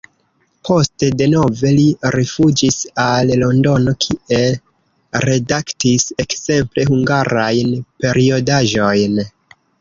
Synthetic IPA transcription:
pʰo̞ste̞de̞no̞ve̞liɾifud͡ʒisallo̞ndo̞no̞kʰiʔe̞l | ɾe̞daktise̞kze̞mple̞huŋɡaɾajnpe̞ɾio̞daʒo̞jn

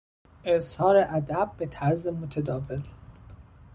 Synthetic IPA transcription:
ʔezhɒːɾeʔæd̪æb̚ːet̪ʰæɾzemot̪ʰed̪ɒːvel

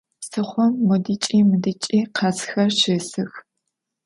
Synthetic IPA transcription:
sɨχʷɔmːʊdit͡ʃʼiːmɨdɨt͡ʃʼiːqʰɐsxɐrʃɨːsɨx

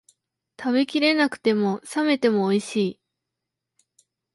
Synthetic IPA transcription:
t̪aβe̞kʲiɾe̞nakɯ̟̥t̪e̞mo̞same̞t̪e̞mo̞ːiɕiː

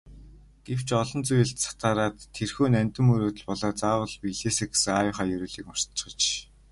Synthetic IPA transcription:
ɡ̥ew̥t͡ɕɔɮɞ̆nt͡sujɘ̆ɬt̪sḁt̪aːɾaːt̪ʰːerxuːnæmʲt̪ɘ̆mɵɾoːt̪ɵ̆ɮpɔɮɔːt͡saːwə̆ɮpiɮeːseːɡe̥sɘ̆ŋajʊχaːjɵɾuːɮiːkmɔ̥r̥t͡ɕ̆χə̆t͡ɕ

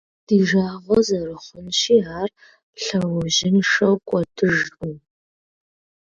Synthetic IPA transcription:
d̥iːʒaːʁʷɔzɐrɨχʷʊnʃiːaːr | ɬɐwʊʑɪnʂɐwkʷʼɔdʰɨʒʼu

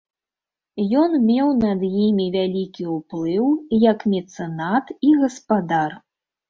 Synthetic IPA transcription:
jɔnmʲɛwnɐd̪jimʲivʲalʲikʲiuplˠɨwjɐkmʲɛt̪sɛnat̪iɣɐspad̪ar

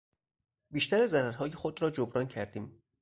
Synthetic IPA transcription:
biːʃt̪ʰæɾezæɾæɾɦɒːje̞xod̪ɾɒːd͡ʒobɾɒːncʰæɾd̪iːm

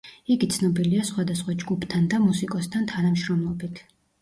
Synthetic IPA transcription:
iɡit̪sʰnɔbiliasχwad̪asχwad͡ʒɡupʰt̪ʰand̪amusikʼɔst̪ʰant̪ʰanamʃɾɔmlˠɔbit̪ʰ

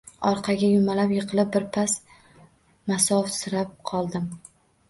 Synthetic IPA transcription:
ɒɾqʰɑɡʲajʊmalapjɨqʰɨlˠɪp̚bːɪɾpʰas | masɒfsɪɾap̚qʰɒlˠd̪ɪm

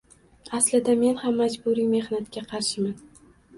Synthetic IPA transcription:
aslɪd̪ame̞nhamːad͡ʒbʊɾime̞hnat̪kʲaqʰɑɾʃɪman

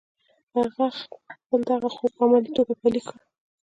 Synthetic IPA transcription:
aɣaxpəld̪aɣaxob̚amalit̪obapalika

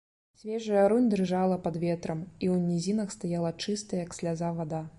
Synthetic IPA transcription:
sʲvʲɛʐɨjɐɾunʲd̪rɨʐalˠɐpɐd̪vʲɛt̪ɾɐmiwnʲizʲinɐxst̪ajalˠɐt͡ʂɨst̪ɐjɐksʲlʲazavad̪a

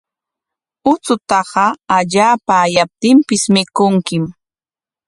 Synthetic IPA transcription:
ʊt͡sʊt̪ɑɢɑaʎaːpaːjap̚t̪ɪmpɪsmɪkʊŋkɪm

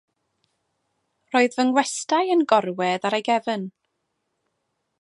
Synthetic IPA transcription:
roːɨðvənwɛstajənɡɔrwɛðaɾajɡɛvən

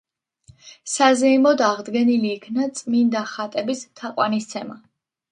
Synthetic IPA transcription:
sazɛimɔd̪aʁd̪ɡɛniliːkʰnat̪sʼmind̪aχat̪ʼɛbist̪ʰaqʼwanist̪sʰɛma

